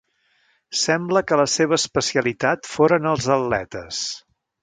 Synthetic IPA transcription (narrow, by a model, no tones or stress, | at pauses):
sɛmbləkələseβ̞əːspəsiəlit̪at̪foɾənəlˠzəlːɛ̰t̪əs